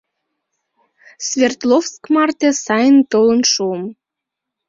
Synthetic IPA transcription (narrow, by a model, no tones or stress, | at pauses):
svʲert̪lofskmɑrt̪esɑjənt̪olənʃuəm